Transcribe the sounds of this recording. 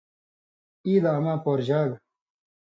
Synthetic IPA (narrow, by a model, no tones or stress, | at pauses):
iːd̪amaːpoːɾʑaːɡ